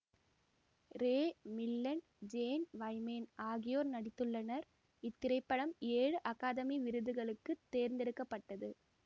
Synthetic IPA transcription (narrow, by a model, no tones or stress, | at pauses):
ɾeːmɪlːɐɳ | d͡ʒeːnʋɐɪmeːnʔaːɣɪjoːɾnɐɽɪt̪ːɯɭːɐnɐɾ | ɪt̪ːɪɾɐɪpːɐɽɐmeːɻɯʔɐkaːðɐmiʋɪɾɯðɯɣɐɭɯkːɯt̪ːeːɾnd̪ɪɾɯkːɐpːɐʈːɐðɯ